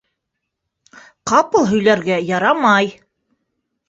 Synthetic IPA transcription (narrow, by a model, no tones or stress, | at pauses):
qɑpɤ̆lˠɦɵ̆jlæɾɡæjɑɾɑmɑj